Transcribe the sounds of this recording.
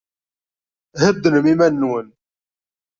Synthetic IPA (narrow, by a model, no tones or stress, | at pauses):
həd̪ːnəmimænːwən